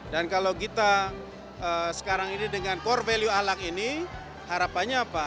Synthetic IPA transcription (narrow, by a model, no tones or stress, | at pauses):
dankalawkit̪a | əsə̥kaɾaŋinidəŋankɔrveljuahlakini | haɾapaɲaːpa